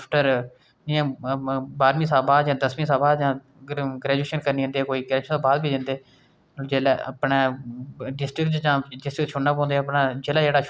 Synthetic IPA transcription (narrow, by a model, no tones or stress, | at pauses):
pʰʈəɾ | d͡ʒɪãːbaːɾmĩːsaːbaːd̪d͡ʒãːd̪əsmĩːsaːbaːd̪jãː | ɡɾɛːd͡ʒueːʃənkəɾniːɦə̃ːnd̪eːkoːiːɡɛːd͡ʒːʃt̪oːbaːd̪biːd̪ɪ̃nd̪eː | d͡ʒeːlɛə̰pɳeːɖɪsʈɾɪkd͡ʒãːɖɪsʈɾɪkʃʰʊnaːpɔ̃ːnd̪eːəpnaːd͡ʒeːlaːd͡ʒeːɽaː